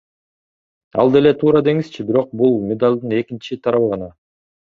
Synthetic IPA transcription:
ɑ̰lˠd̪e̞le̞t̪ʰuːɾɑd̪e̞ŋiz̥t͡ʃʰibiɾo̞q̚bulˠmʲed̪alʲd̪ɯne̞kint͡ʃit̪ʰɑɾɑβɯʁɑnɑ

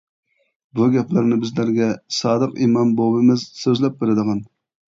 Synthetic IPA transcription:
buɡʲɛplɪɾnɪbɪzlæɾɡʲɛsɑːd̪əqimɑnbobɨmɪzsøzlɛp̚beɾɪd̪əʁɑn

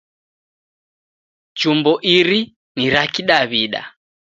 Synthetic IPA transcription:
d͡ʒumbɔʔiɾi | niɾakiɗaβiɗa̰

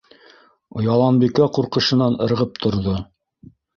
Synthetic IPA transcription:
ojɑlˠɑnbikæquɾqɤ̆ʃɤ̆nɑnɤ̆ɾʁɤp̚t̪ʰŏɾðo

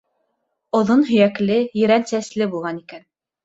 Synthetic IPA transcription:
ŏðonɦɵ̆jæklɘjɘ̆ɾænsæslɘbulˠʁɑnikæn

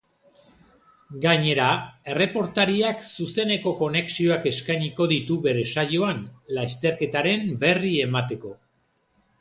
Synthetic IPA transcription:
ɡaɲe̞ɾae̞re̞po̞ɾt̪aɾiaksuse̞ne̞ko̞ko̞ne̞ksio̞ake̞skajɲiko̞ðit̪uβe̞ɾe̞sajo̞anlast̪e̞ɾke̞t̪aɾe̞mbe̞rie̞mat̪e̞ko̞

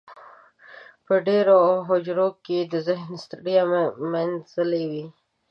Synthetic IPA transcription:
pəɖeɾoɦʊd͡ʒɾoked̪əzɪɦnst̪ɽijamanzəlewi

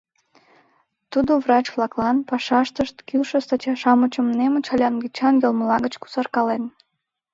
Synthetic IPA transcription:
t̪ud̪ovrɑt͡ɕvlɑklɑnpɑʃɑʃt̪əʃt̪kilʃəst̪ɑt͡ɕɑʃɑmət͡ɕəmnemot͡ɕɑlʲɑnɡit͡ɕɑnɡʲelməlɑɣət͡ɕku̥sɑrkɑlen

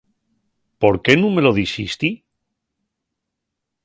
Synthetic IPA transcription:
po̞ɾke̞nũme̞lo̞ðisist̪i

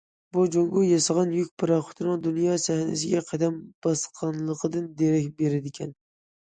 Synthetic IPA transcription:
bud͡ʒoŋɡʊjɑsɑʁɑnjykʲpʰɨɾɑχʊ̥t̪ʰɨnɨŋd̪unjɑsæhnɪ̰sɪɡʲɛqʰɑd̪æmb̥ɑsqʰɑnlˠəqʰəd̪ɨnd̪eɾɛkʲbeɾɪd̪ɪkʲʰɛn

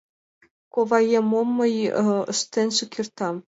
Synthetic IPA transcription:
koʋɑjemomːɤ̆jɤ̰̆ʂt̪ʲenʲʂukʲirt̪ɑ

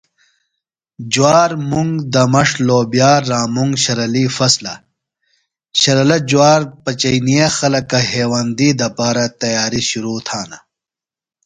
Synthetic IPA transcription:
d͡ʑuwaːɾmuŋɡd̪ɐmɐʂloːbijaːɾːaːmuŋɡɕɐɾɐlifɐslɐ̰ | ɕɐɾɐlɐd͡ʑuwaːɾpɐt͡ɕɐjnijexɐlɐkɐɦeːwand̪iːd̪ɐpaːɾɐt̪ɐjaːɾiɕuɾuːt̪ʰaːnɐ̰

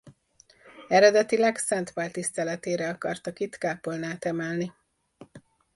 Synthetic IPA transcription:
ɛɾɛd̪ɛt̪ilɛksɛnt̪ʋaːlt̪ist̪ɛlɛt̪eːɾɛɒkɒrt̪ɒkit̪kaːpolnaːt̪ɛmɛlni

